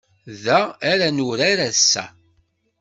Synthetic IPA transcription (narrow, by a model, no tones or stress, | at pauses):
ðæːɾænuɾaɾæsːæ̰